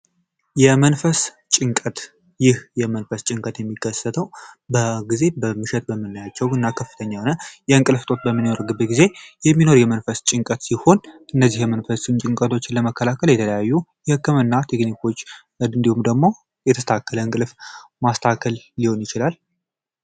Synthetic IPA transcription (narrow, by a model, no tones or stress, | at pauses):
jɛmənfəs | t͡ʃʼɪŋkʼət̪ | jɪhjɛmənfəst͡ʃʼɪŋkʼət̪jɛmːikːəsət̪ʰəwbəɡize̞bəmɨʃɛt̪̚bəmːɨnːəjat͡ʃːɛwɨnːakʰəfːɨt̪ʰəɲːahnəjɛɨŋkʼɨlft̪ʼo̞t̪bəmːɨnno̞ɾɡɨbːeɡize̞jɛmːino̞ɾjɛmənfəst͡ʃʼɪŋkʼət̪siho̞nʔɨnːəzːihjɛmənfəst͡ʃʼnt͡ʃʼɪŋkʼət̪ʰo̞t͡ʃːɪləməkʰːəlakʰəljɛt̪ʰələjajːujɛhɨkːɨmɨnːat̪ʰe̞knikʰo̞t͡ʃː | ɨnd̪ihumd̪əɡmo̞ | jɛt̪ʰəst̪ʰakʰːələɨŋkʼɨlfmast̪ʰakʰəlːiho̞njɪt͡ʃɪlal